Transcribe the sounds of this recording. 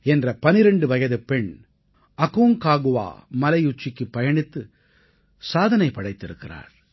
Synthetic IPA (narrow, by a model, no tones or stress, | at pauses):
ɛndrɐpɐnɪɾɛɳɖɯʋɐjɐðɯpɛɳ | ɐɣuːŋkaːɣɯʋa̰ːmɐlɐɪjʊt͡ʃːɪkːɯpːɐjɐɳɪt̪ːɯ | saːðɐnɐɪpːɐɽɐɪt̪ːɪɾɯkːɪra̰ːɾ